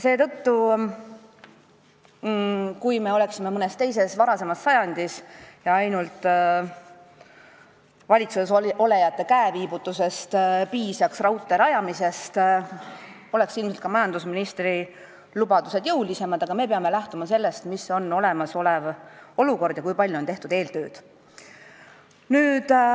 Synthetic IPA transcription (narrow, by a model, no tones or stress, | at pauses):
se̞ːt̪ɤ̞t̪ːu | kujme̞o̞le̞ksime̞mɤnest̪e̞jse̞svɑɾɑse̞mɑsːɑjɑnʲd̪̥isjɑɑjnult̪ˑ | vɑlʲit̪suseso̞le̞jɑt̪ˑːe̞kæeviːbut̪ːuse̞st̪piːsjɑksrɑwt̪ːˑeɾɑjɑmise̞st̪ | o̞le̞ksilmselt̪kɑmɑjɑnd̪usminist̪ri | lubɑd̪use̞d̪̥jɤwlʲise̞mɑd̪̥ɑɡ̥ɑme̞peɑme̞læht̪umɑse̞lːe̞st̪miso̞no̞le̞mɑso̞levo̞luko̞rd̪jɑkujpɑlʲjuont̪eht̪ud̪̥e̞ːlt̪ø̞ːd̪̥ | nyːd̪̥